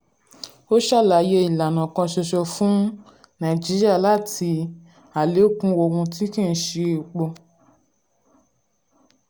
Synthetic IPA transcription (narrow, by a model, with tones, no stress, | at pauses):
o˦ʃa˦˨la˨˦je˧i˨la˨nã˨kã˧ʃɛ˧ʃɔ˧fũ˦ | nã˨d͡ʒi˨˦ɾi˦a˦˨la˦˨tʰi˧ | a˨le˨˦kũ˦wo˨˧˨ɡũ˧ti˦kĩ˦˨n̩˦ʃe˧˦o˨k͡pɔ˧